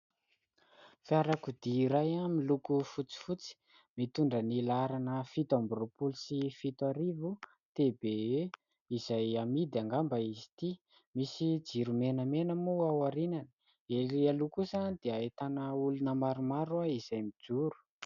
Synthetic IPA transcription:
fiaɾakud̪iːɾajamilukufut͡si̥fut͡si̥ | mit̪uɳɖ͡ʐənilaɾanəfit̪ambrupulusifit̪aɾivu | t̪ebee | izajamid̪aŋɡambəizi̥t̪i | misid͡ziɾumenəmenəmuawaɾinanə̥ | elialukusand̪̥eaet̪anəulunəmaɾumaɾuaiz̥ajmid͡zuɾu̥

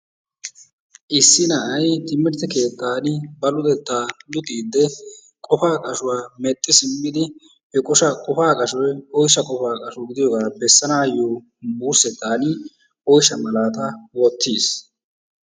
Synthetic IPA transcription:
ʔɪsːɪnɐʔɐjt̪ɪmːɪɾt̪ɛke̞ːt̪ːaːnɪbɐlʊd̪ɛt̪ːaːd̪ʊt̪ʼiːd̪ːɛ | kʼɔfaːkʼɐʃʊwaːmɛt̪ʼːɪsɪmːɪd̪ɪ | hɛkʼɔʃɐkʼɔfaːkʼɐʃɔjɔjʃɐkʼɔfaːkʼɐʃɔɡɪd̪ɪjɔɡaːbɛsːɐnaːjo | buːɾsɛt̪ːaːnɪ | ɔjʃɐmɐlaːt̪ɐwɔt̪ːiːs

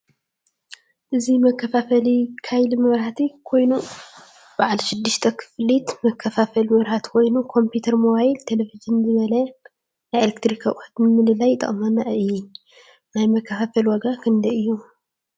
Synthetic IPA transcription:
ʔɨzimɐkʰːɐfafɐlikʰajlimɨβɾhat̪ʰikʰo̞jnu | b̥aʕalʃɪd̪ːɨʃt̪ʰɐkʰɨ̥flit̪mɐkʰːɐfafɐlmɨβɾhat̪kʰo̞jnukʰo̞mput̪ʰɐɾmoβajilt̪ʰe̞levizɨnzɨβɐlɐ | najelekt̪ʰɾikʰaʔhɐt̪mɨmɨlɨlajt̪ʼɐ̰χʼmanaʔɨjːɛ | najmɐkʰːɐfafɐlwɐɡakʰɨnd̪ɐɨjːu

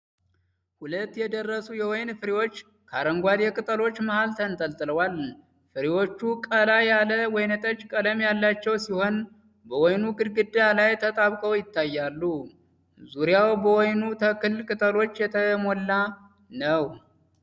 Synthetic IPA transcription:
hulət̪ːjɛd̪ərːəsujɛwɔjnfɨɾiwo̞t͡ʃː | kʰaɾəŋɡʷad̪jɛkʼɨt̪ʼəlo̞t͡ʃːməhalt̪ʰənt̪ʼəlt̪ʼɨləwal | fɨɾiwo̞t͡ʃːukʼəlajaləwɔjnət̪ʼət͡ʃːkʼələmjalːat͡ʃːɛwsiho̞n | bəwɔjnuɡɨd̪ɡɨd̪ːalajt̪ʰət̪ʼaβkʼəwjɪt̪ʰːajːalːu | zuɾjawbəwɔjnut̪ʰəkɨlkʼɨt̪ʼəlo̞t͡ʃːjɛt̪ʰəmolːa | nəw

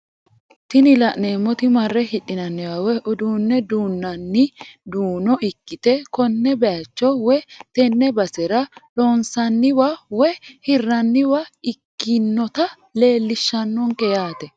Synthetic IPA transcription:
t̪ɪnɪlɐʔneːmːɔt̪ɪmɐrːɛhɪᶑːɪnɐnːɛwɐwɛʔʊd̪uːnːɛd̪uːnːɐnːɪd̪uːnɔʔɪkːɪt̪ɛkɔnːɛbɛjɐt͡ʃːɔwɛt̪ɛnːɛbɐsɛɾɐloːnsɐnːɪwɐwɛhɪrːɐnːɪwɐɪkːɪnːɔt̪ɐ | le̞ːlːɪʃːɐnːɔŋkɛjaːt̪ɛ

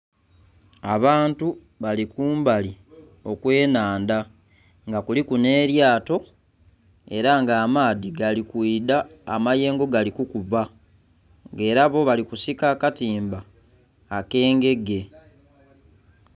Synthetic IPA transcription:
aβaːntu | βalikuːmbali | o̞kwe̞ːnaːnda | ŋɡakulikune̞ːɾjaːto̞ | e̞ɾaŋɡaːmaːðiɡalikwiːda̰ːmaje̞ːŋɡo̞ɡalikukuβa | ŋɡe̞ːɾaβo̞βalikusikaːkatiːmbaː | ke̞ːŋɡe̞ɡe̞

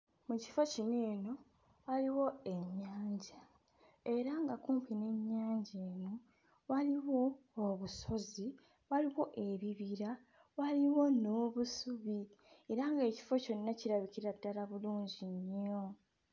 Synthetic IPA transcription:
muci̥focineːno̞ | waliwo̞e̞ɲːaːɲɟa | e̞ɾaŋɡakuːmpʰine̞ɲːaːɲɟeːno̞ | waliwo̞ːβuso̞zi | waliwo̞ʔe̞βiβiɾa | waliwo̞no̞ːβusuβi | eɾaŋɡe̞ːci̥fo̞co̞nːaciɾaβiciɾadːalaβuluːɲɟiɲo̞

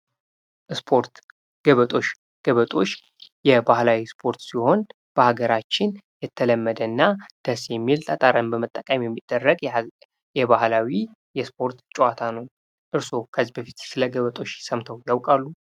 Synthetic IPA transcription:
ʔɨspʰo̞ɾt̪ | ɡ̥əβət̪ʼo̞t͡ʃː | ɡ̥əβət̪ʼo̞t͡ʃː | jɛbahlawispʰo̞ɾt̪siho̞n | b̥əhaɡəɾat͡ʃːɪnjɛt̪ʰːələmːəd̪ənːad̪̥əsjɛmːilt̪ʰʼət̪ʼaɾəmbəmət̪ʼːəkʼəmjɛmːid̪̥ːərːəɡ | jɛβahlawi | jɛspʰo̞ɾt̪t͡ʃʼwat̪ʰanəwn | ʔɨɾso̞kʰəzibəfit̪sɨləɡəβət̪ʼo̞t͡ʃːjɪsəmt̪ʰəwjawkʼalːu

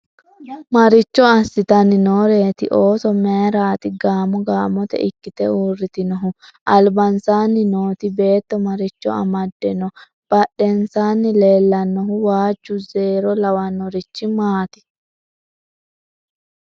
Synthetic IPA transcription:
mɐɾɪt͡ʃːɔɐsːɪt̪ɐnɪnoːɾe̞ːt̪ɪʔo̞ːsɔmɛːɾaːt̪ɪɡaːmɔɡaːmɔt̪ɛ̰ʔɪkːɪt̪ɛuːrːɪt̪ɪnɔɦʊʔɐlbɐnsaːnːɪnoːt̪ɪbe̞ːt̪ːɔmɐɾɪt͡ʃːɔ̰ɐ̰mɐd̪ːɛnɔ | b̥ɐɗːɛnsaːnːɪleːlːɐnːɔɦʊwaːd͡ʒːʊzeːɾɔlɐwɐnːɔɾɪt͡ʃːɪmaːt̪ɪ̥

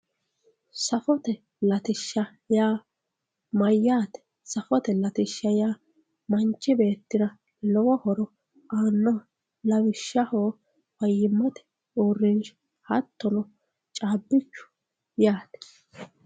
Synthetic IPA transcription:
sɐfɔt̪ɛ | lɐt̪ɪʃːɐ | jaː | mɐjːaːt̪ɛ̥ | sɐfɔt̪ɛlɐt̪ɪʃːɐjaː | mɐnt͡ʃːɪbe̞ːt̪ːɪɾɐ | lɔwɔhɔɾɔ | ʔaːnːɔ | lɐwɪʃːɐhoː | fɐjːɪmːɐt̪ɛ̥ | uːrːɪnʃ | hɐt̪ːɔnɔ | t͡ʃʼaːbːɪt͡ʃːʊ̥ | jaːt̪ɛ̥

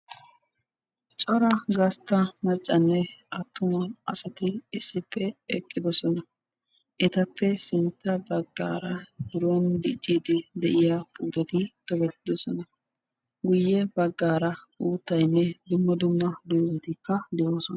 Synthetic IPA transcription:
t͡ʃʼɔɾɐɡɐst̪ːɐmɐt͡ʃʼːɐnːɛʔɐt̪ːʊmɐɐsɐt̪ɪɪsːɪpːɛɛkʼːɪd̪ɔsɔnɐ | ʔɛt̪ɐpːɛsɪnt̪ːɐbɐɡːa̰ːɾɐbɪɾond̪ɪt͡ʃʼːiːd̪ɪd̪ɛʔɪjapʼuːt̪ɛt̪ɪt̪ɔbɛt̪ːɪd̪ɔsɔnɐ | ɡʊjːɛbɐɡːaːɾɐ | uːt̪ːɐjnːɛd̪ʊmːɐd̪ʊmːɐd̪uːzɛt̪ɪkːɐd̪ɛʔoːsɔn

